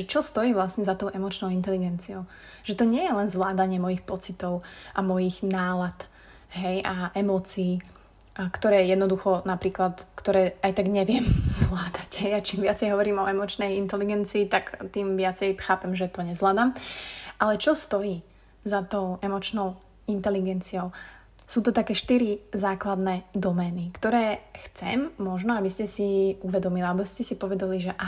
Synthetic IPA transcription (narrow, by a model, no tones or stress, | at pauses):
ʒɛt͡ʃɔst̪ɔjiːʋlasɲɛzat̪ɔʊʔɛmɔt͡ʃnɔʊint̪ɛliɡɛnt͡siɔʊ | ʒɛt̪ɔɲɪɛjɛlɛnzʋlaːd̪aɲɪɛmɔjixpɔt͡sit̪ɔʊʔamɔjiɣnaːlat̪ | ɦɛjʔaʔɛmɔːt͡siː | kt̪ɔɾɛːjɛd̪nɔd̪uxɔnapɾiːklat̪kt̪ɔɾɛːajt̪aɡɲɛʋɪɛmzʋlaːd̪aɟɦɛjat͡ʃiːmʋɪat͡sɛjɦɔʋɔɾiːmɔɛmɔt͡ʃnɛjint̪ɛliɡɛnt͡siːt̪akt̪iːmʋɪat͡sɛjxaːpɛmʒɛt̪ɔɲɛzʋlaːd̪aːmʔalɛt͡ʃɔst̪ɔjiː | zat̪ɔʊʔɛmɔt͡ʃnɔʊ | int̪ɛliɡɛnt͡siɔʊ | suːt̪ɔt̪akɛːʃt̪iɾizaːklad̪nɛd̪ɔmɛːnikt̪ɔɾɛːxt͡sɛ̰mːɔʒnɔabiscɛsiuʋɛd̪ɔmiliaabɔscɛsipɔʋɛd̪aliʒɛʔa